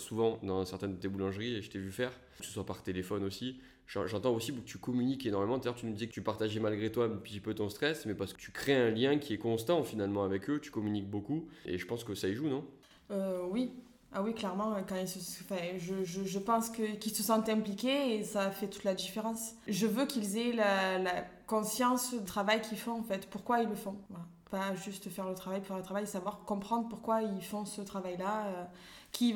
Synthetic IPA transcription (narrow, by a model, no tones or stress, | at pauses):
suvɑ̃d̪ɑ̃sɛʁt̪ɛnd̪ət̪ebulɑ̃ʒʁieʒət̪ɛvyfɛʁ | kə̥sə̥swapaʁt̪elefɔnosi | ʒɑ̰̃ʒɑ̃t̪ɑ̃osipukət̪ykɔmynikenɔʁmemɑ̃d̪ajœʁt̪ynud̪izɛkət̪ypaʁt̪aʒɛmalɡʁet̪wapət̪ipøt̪ɔ̃st̪χɛsmɛpaʁsə̥kət̪ʰy̥kχeɛ̃ljɛ̃kʲiɛkɔ̃st̪ɑ̃finalmɑ̃avɛkøt̪y̥kɔmynik̚bokuḛʒəpɑ̃skəsaiʒunɔ̃ | øwi | awiklɛʁmɑ̃økɑ̃ilsə̃fɛ̃ʒəʒəʒəpɑ̃skəkilsəsɑ̃t̪ɛ̃plikʲeːsafɛt̪u̥t̪lad̪ifeʁɑ̃sʒəvøkilzɛlalakɔ̃sjɑ̃sd̪ət̪χavajkʰʲilfɔ̃ɑ̃fɛt̪puʁkwailːəfɔ̃vala | paʒyst̪fɛʁlət̪χavajpufɛʁlət̪χavajesavwaʁkɔ̃pχɑ̃d̪ʁəpuʁkwailfɔ̃sət̪χavajlaø | kʰʲi